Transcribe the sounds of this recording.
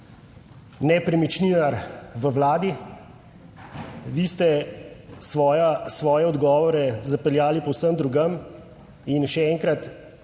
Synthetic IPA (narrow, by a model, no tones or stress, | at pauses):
nɛpɾɛmit͡ʃniːnaɾʋəwlaːd̪i | ʋiːst̪ɛ | sjasʋɔːjɛɔd̪ɡɔːʋɔɾɛzapɛljaːlipɔwsəmd̪ɾuɡəm | inʃɛɛŋkɾat̪